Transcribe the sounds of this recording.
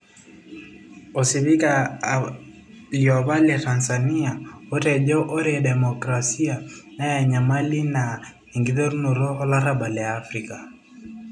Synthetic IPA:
ɔ˨si˨βi˦ka | liɔ˨βa˦lɛ˨ta˨nsani˦a˨o˦tɛ˨ʄɔ˦ʔɔ˦ɾɛdɛ˨mɔkɾasi˦a˨na˦ja˨ɲa˨ma˦li˦na˨ | i˨ŋɡiðɔ˦ɾu˦nu˨ɾɔː˦la˦ɾa˦ba˨lɛ˨aː˦fɾika˨

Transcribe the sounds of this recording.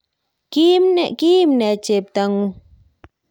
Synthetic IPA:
ki˦mne˨ʔkiː˦mne˨t͡ʃe˨p̚t̪aŋu˦˧

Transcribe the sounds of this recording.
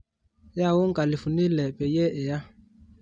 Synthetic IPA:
ja˦˨wʊ˦ŋ̩˦kʼa˨lɪ˨fʊ˨ni˦lɛ˨pʼɛ˨jɛ˦ʔɪ˨ja˦

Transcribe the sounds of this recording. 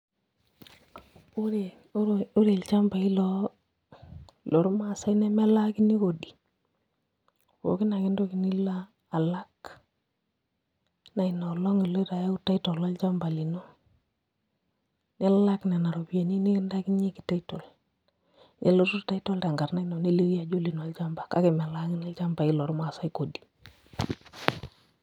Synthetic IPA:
u˦ɾe˨˦ | u˦ɾe˨lt͡ʃa˦mba˨i˦lɔ˦ | lo˨ɾu˦ma˦˨sa˦inɛ˦mɛ˦la˦ki˦ni˦ko˨ɗi˨ | ko̰˨kɪ˦na˨kɪ˦ndo˦ki˨ni˦laː˦˨ | la˦k | na˨i˨nɔ˨lɔ˦ŋi˨lo˦ɾa˨ja˦u˦ta˦itɔ˨lɔ˦lt͡ʃa˦mba˨li˨no˦ | nɛ˦lla˦knɛ˨na˨ɾo˨bi˦e˨ni˦ni˦ki˦nda˦ki˦nɲe˦ki˨ta˦ito˨l | nʔḛ˨lo˦tu˦ɾta˦i˦tɔ˦lta˨ŋɡa˨ɾna˦i˦no˨ne˦li˦ɾi˦a˨d͡ʒo˦li˨no˨˦lt͡ʃa˦mba˨ka˦ke˨mɛ˨la˦ki˦ni˦lt͡ʃa˦mba˨i˦lɔ˨ɾma˨sa˦iko˨di̥˨

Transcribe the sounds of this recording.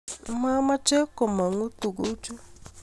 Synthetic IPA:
ma˦ma˦t͡ʃe˦kɔ˨ma˨ŋu˦tu˨ɡo˦t͡ʃu˦

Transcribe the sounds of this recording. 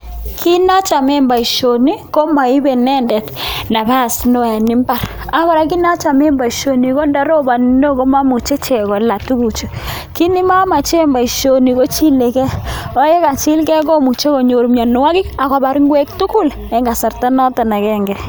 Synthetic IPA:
kʰi˦na˦t͡ʃa˨me˦mba˨i˨ʃo˨ni˦ko˦ma˨i˦be˨nɛ˦ndɛ˨tna˨pɛ˦a˨sno˦ja˨ni˦mba˦ɾ | a˦kɔ˦ɾa˨ki˦na˦t͡ʃa˨me˦mba˨i˨ʃo˨ni˨ko˦nda˨ɾo˦ba˨nindo˦ko˦ma˦mu˨t͡ʃe˦t͡ʃɛ˨kɔ˨la˨tu˦ku˨t͡ʃu˨ | ki˦ni˦ma˦ma˨t͡ʃe˦mba˨i˨ʃo˨ni˨ko˦t͡ʃi˦le˨kɛ˦ɔ˦je˦ka˨t͡ʃi˦lkɛ˦k̬o˦mu˨t͡ʃe˦ko˨ɲo˨ɾu˨mɲa˨n˨wa˦kɪ˦ka˨ka˨ba˨ɾi˦ŋɡwɛ˦k̚tu˦ku˦l | ɛ˨ŋɡa˨sa˨rta˦nɔ˦ta˨na˨kɛ˦ŋɡɛ˨

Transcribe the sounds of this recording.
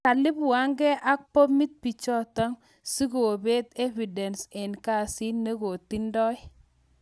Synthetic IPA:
ka˨lɪ˦bʊ˨a˦ŋɡɛ˦ʔa˦k̚pɔ˦mi˦t̪̚pi˨t͡ʃɔ˦tɔ˦ŋ | si˦ɡo˨be˦t̪e˦vi˨dɛ˨nsɪ˨nka˦˨si˦ne˦ɡo˨t̪i˦ndɔ˦j

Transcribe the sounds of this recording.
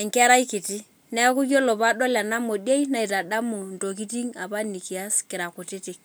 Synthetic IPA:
ɛ˨ŋka˦ɾa˦i˦ki˨ti˦ | nɛ˦a˦ku˦kjɔ˦lɔ˨pa˦ɗɔ˦la˨na˦mo˨di˦e˦jna˦i˨ta˨ɗa˦mu˨n˨to˨ki˦ti˦ŋa˨pa˦ni˨ki˨a˦skɪ˨ɾa˨kʊ˨ti˦tɪ˦k

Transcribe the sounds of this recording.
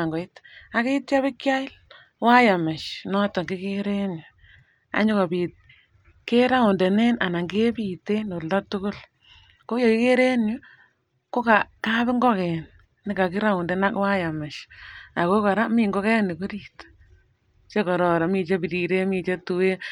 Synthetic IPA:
a˨ŋɡɔ˨i˦ta˦ke˦tt͡ʃa˦βɪ˦kja˦ɪ˦l | wa˦ja˨mɪ˨ʃnɔ˦tɔ˨ŋɡɪ˦ke˦ɾe˦nju˨ | a̰˦ɲʊ˦kɔ˨pi˨t̚ | ke˦ɾa˦ʊ˨ndɛ˨ne˦na˨na˨ŋɡe˦pi˨te˦no˨lɔ˦tʊ˦kʊ˦l | ko˦jo˨kɪ˦ke˦ɾe˦njʊ˦ | ko˦ka˨ka˦bɪ˦ŋɡɔ˦kɛ˨n | nɪ˦ka˨kɪ˦ɾa˦ʊ˨ndɛ˨na˦kwa˦ja˨mɪ˨ʃa˨ko˦ka˨ɾa˦mi˦ŋɡo˦kɛ˦ni˨ko˦ɾiː˨t | t͡ʃe˦kɔ˨ɾɔ˨ɾa˨mi˨t͡ʃe˦pi˨ɾi˨ɾe˦mi˨t͡ʃe˦tu˨we˦

